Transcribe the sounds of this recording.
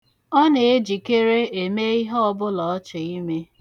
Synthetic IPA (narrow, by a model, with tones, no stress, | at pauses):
ɔ˦ne˨e˦d͡ʒi˨ke˦ɾe˦e˨me˦i˦ɦɔ˦ɔ˦bʊ˦lɔ˨ɔ˦t͡ʃʊ˨i˦me˦